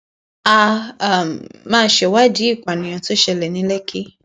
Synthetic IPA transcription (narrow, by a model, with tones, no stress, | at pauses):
a˧˨m˨mãː˦˧˦ʃe˨wa˦di˨˦i˦˨k͡pa˨nĩ˨j̃ã˧to˦ʃɛ˧lɛ˨nĩ˨˦lɛ˦kʰi˦